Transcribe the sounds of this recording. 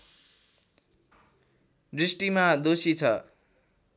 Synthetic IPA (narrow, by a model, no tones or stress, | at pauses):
ɖrisʈimad̪osit͡sʰʌ